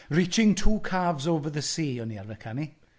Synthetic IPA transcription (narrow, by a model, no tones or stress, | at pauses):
rit͡ʃɪŋtʰuːkʰaːvzɔvəðəsiːɔniavəkʰani